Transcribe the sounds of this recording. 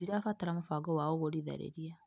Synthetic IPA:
iɾafataɾamofaɡɔwaoɣoɾiða̰ɾḛɾia

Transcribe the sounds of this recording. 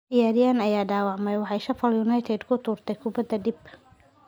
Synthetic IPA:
dɪjaːɾɪjaːnɐjaːɖaːwɑʕmɛjwɑħɑjʃɐfɐljunɐjt̪ʰɛd̪kʰʊt̪ʰuːrt̪ʰɛjkʰʊbɐd̪ɐd̪ib

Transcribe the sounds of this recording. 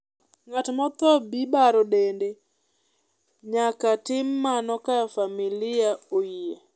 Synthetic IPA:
ŋatmɔt̪ɔbibaɾɔɗende | ɲakatɪmːanɔkafamilɪaoie

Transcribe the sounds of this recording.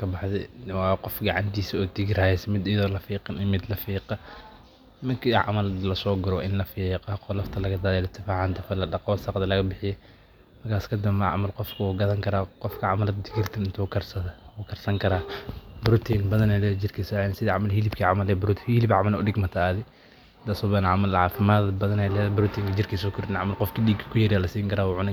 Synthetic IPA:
kʰɐbɑħðɛ̰wɑːqɔfɡɑʕɑ̰nt̪ʰiːsɔːd̪ɪɡɪɾaːjɛsmɪd̪ɪjɐðɔːlɐfiːqɑnɪmɪd̪lɐfiːqɐ | mɐkʰiʕɑ̰mɐld̪lɐsɔːɡɐɾɔʔɪnlɐfiːqɑqɔlɐft̪ʰɐlɐɣɐd̪aːðɛlɪt̪ʰːɪfaːʕɑnt̪ɐfɐlɐɗɐqɔwsɑqd̪ɐlɐɣɐbɪħɪjɛ | mɐrkʰaːskʰɐd̪ɐmmɐʕɑ̰mɐlqɔfkʰɐuːɡɐðɐŋkʰɐɾaːqɔfkʰɐʕamɐld̪ɪkʰɪrt̪ʰɐnɪnt̪ʰuːkʰɐrsɐɐuːkʰɐrsɐŋkʰɐɾaːbɾʊt̪ʰinbɐðɐnɛlɛːd͡ʒɪrkʰisɔɛnsɪðɐʕamɐlɦilɪbkʰiʕamɐlɛbɾʊt̪hɪlɪbʕɑmɐlʊ̰ɗɪɡmɐt̪ʰaaðɪ | d̪asɔːbɐnʕamɐlʕaːfɪmadbɐðɐnɛlɛðbʊɾʊt̪ʰiːŋkʰɐd͡ʒɪrkʰisɔːkʰʊɾɪnʕamɐlqɔfkʰiɗiːɡkʰɐ̥kʰʊjɐɾalɐsiːŋkʰɐɾaːwʊʕʊnɪ

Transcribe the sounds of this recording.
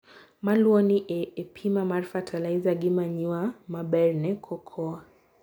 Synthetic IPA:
maluɔniʔɛːpʰimamaɾfatʰalaizaɡimaɲiwamabɛɾnɛkʰɔkʰɔa

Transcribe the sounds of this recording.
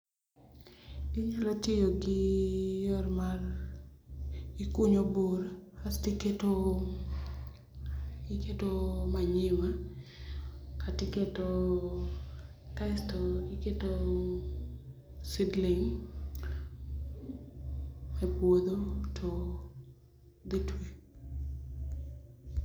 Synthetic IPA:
iɲalɔtɪjoɡɪjɔrmar | ikuɲobuɾastiketo | iketomaɲɪwa | katɪketo | kastɔliketo | sidlɪŋ | mɛpwod̪otʰo | d̪itwi

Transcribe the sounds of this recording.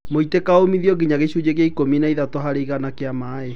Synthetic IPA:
moitekaomiðiɔɡiɲaɣeɕud͡ʑeɣjaikominaiðatoɦaɾeiɣanakeamaːe

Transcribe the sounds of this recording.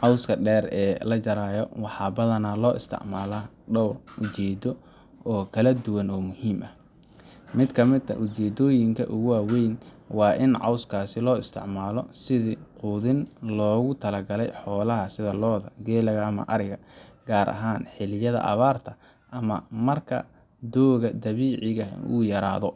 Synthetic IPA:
ʕɑwskʰɐɖɛːrɛːlɐt͡ʃɐɾaːjɔwɑħɑːbɐðɐnaːlɔːʔɪst̪ʰɪ̰ʕmaːla | ɖɐwrʊt͡ʃɛːd̪ɔ | ɔːkʰɐlɐd̪ʊwɐnɔːmʊhiːmʔɐh | mɪd̪kʰɐmɪd̪ɐ̰ʔʊt͡ʃɛːd̪ɔːjɪŋkʰɐ̰ʔʊɣʊaːwɛjn | wɑːʔɪnʕɑ̰wskʰaːsɪlɔːɪst̪ʰɪ̰ʕmaːlɔsɪðɪquːðɪnlɔːɣʊt̪ʰɐlɐɡɐlɛjħɔːlɐɦɐsɪðɐlɔːðɐ̰ɡɛːlɐɣɐɐmɐ̰ʔɐɾɪɣɐɡaːɾʔɐ̰ɦaːnħɪlɪjɐðɐ̰ʔɐ̰βaːrt̪ʰɐ | ʔɐmɐ̰mɐrkʰɐ̰ | d̪ɔːɣɐd̪ɐβiːʕɪɣɐṵjɐɾa̰ːðɔ

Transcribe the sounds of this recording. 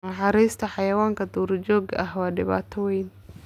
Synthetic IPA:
nɐħɑɾiːst̪ʰɐħɑjɐwaːŋkʰɐd̪uːrd͡ʒɔːɡɐɦwɑːɖɪβa̰ːt̪ʰɔwɛjn

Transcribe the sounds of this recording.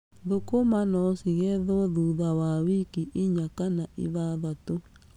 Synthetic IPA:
ðokomanɔsiɣɛðɔðuðawawikiʔiɲakanaʔḭβaðato

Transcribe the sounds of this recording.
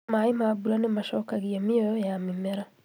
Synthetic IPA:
maːjimaːbulanɛmaʃɔkaɣijamiɔjaːmimɛɾa

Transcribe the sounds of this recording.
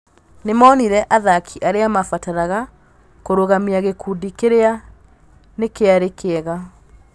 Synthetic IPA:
nemaɔniɾɛʔaðakʰiʔaɾeamafataɾaɣa | koɾoɣamiaɣekuːdikeɾea | nekeaɾekeɛɣa

